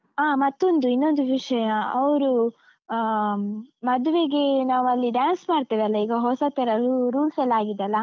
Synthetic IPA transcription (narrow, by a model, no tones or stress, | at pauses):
aːmɐt̪ːond̪uinːo̞nd̪uʋiʂɐjɐɐʋɾu | mɐd̪uʋeɡenaːʋuɐlːiɖjaːnsmaːɽt̪iɾɐlːɐiːɡɐɦoːsɐt̪ːiɾɐluɾuːlpelaːɡid̪eɐlːɐ